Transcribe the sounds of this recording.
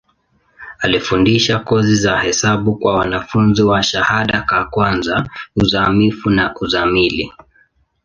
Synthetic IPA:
alifundiʃakɔzizahɛsaɓukwawanafunziwaʃahaɗakakwanzauzamifunaʔuzamili

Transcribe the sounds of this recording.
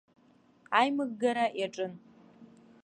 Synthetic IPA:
ajmɨɡ̚ɡaɾaʔjaʈ͡ʂʼɨn

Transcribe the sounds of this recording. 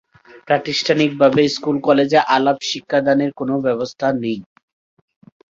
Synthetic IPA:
pɾaʈisʈʰanik̚babeskulkɔled͡ʑeʔalabʃikʰːad̪aneɾkonobɛbost̪ʰanej

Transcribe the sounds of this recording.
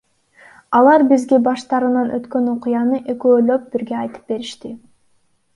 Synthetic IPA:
ɑlˠɑɾbizɡe̞bɑʃt̪ɑɾɯnɑnʔøt̪kø̞no̞qʊjɑnɯʔe̞køːlø̞p̚b̥iɾɡe̞ɑjt̪ɯ̥p̚be̞ɾiʃt̪i

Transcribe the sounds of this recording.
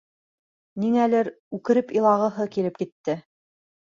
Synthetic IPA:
niŋælɘɾ | ʉkɘ̆ɾɘpilˠɑʁɤ̆ɦɤkilɘp̚kit̪ːɘ

